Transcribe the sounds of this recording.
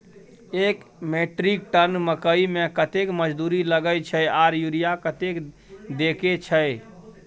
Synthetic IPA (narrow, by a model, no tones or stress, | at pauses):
ekmeʈɾik̚ʈənməkəimẽkət̪ekməd͡ʒd̪uɾiləɡəjt͡ʃʰəaɾjuɾijakət̪ek | d̪eket͡ʃʰəɪ